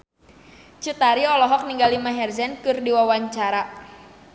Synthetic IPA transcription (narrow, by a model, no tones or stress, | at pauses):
t͡ʃut̪aɾiɔlɔɦɔk̚niŋɡalimaɦɛrzɛnkɨrdiwawaɲt͡ʃaɾa